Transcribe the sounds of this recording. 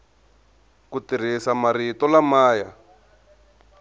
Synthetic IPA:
kutiɾ̤isamaɾitɔlamaːja

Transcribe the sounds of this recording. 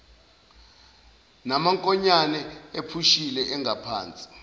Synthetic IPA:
namaŋkʼɔɲanɛepʰuʃilɛʔɛŋɡʱapʰa̰ːnt͡sʼi̥

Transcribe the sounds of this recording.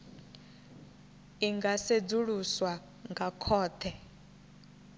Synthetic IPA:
iŋɡased͡zuɺuswa | ŋɡakʰɔːt̪ʰɛ

